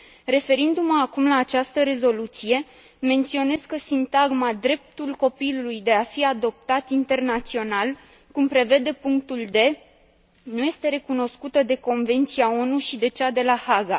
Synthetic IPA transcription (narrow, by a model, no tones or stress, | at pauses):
re̞fe̞ɾind̪umaːkumlaːt͡ʃast̪əɾe̞zo̞lut̪sije̞ | me̞nt̪sio̞ne̞skəsint̪aɡmad̪ɾe̞p̚t̪ulko̞pilulujd̪e̞afiad̪o̞p̚t̪at̪int̪e̞rnat̪sio̞nal | kumpɾe̞ve̞d̪e̞puŋk̚t̪uld̪e̞ | nuje̞st̪e̞ɾe̞kuno̞skut̪əd̪e̞ko̞nve̞nt̪siao̞nuʃid̪e̞t͡ʃad̪e̞lahaɡa